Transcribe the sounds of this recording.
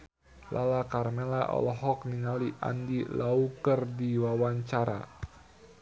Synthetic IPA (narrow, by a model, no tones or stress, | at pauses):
lʔalakarmelaʔɔ̰lɔɦɔk̚niŋaliʔa̰ndilaukərdiwawaɲt͡ʃaɾa̰